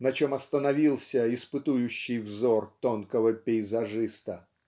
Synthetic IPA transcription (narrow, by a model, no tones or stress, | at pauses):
nɐt͡ɕomɐst̪ənɐvʲilˠsʲəɪspɨt̪ujʉɕːɪjvzort̪onkəvəpʲɪɪzɐʐɨst̪ə